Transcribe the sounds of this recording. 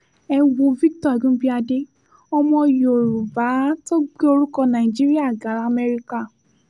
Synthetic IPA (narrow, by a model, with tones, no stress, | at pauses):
ɛ˧wo˨vi˦k̚tɔ˦ɛ˨ɡũ˦bi˦a˧de˦ | ɔ˧mɔ̃˧jo˨ɾu˨ba˨˦to˦ɡ͡be˦o˧ɾu˦kɔ̃˧nã˨i˨d͡ʒi˦ɾi˦a˦˨ɡa˨˦ɾa˦˧˨mɛ˧ɾi˧ka˦˨